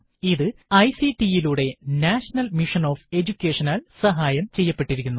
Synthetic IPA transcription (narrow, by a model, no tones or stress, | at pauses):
iðɨɐjsiʈijiluːɽe̞naːʂɐnɐlmiʂɐno̞ːfe̞d͡ʑukʲːe̞ːʂɐnaːlsɐɦaːjɐmt͡ɕe̞jːɐpːe̞ʈːiɾikʲːunːu